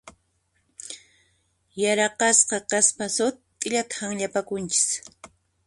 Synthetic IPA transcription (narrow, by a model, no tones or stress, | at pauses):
jaɾɑqɑsqɑkaspasʊt̪kʼɪʎat̪ḁhaŋʎapakʊnt͡ʃɪ̥s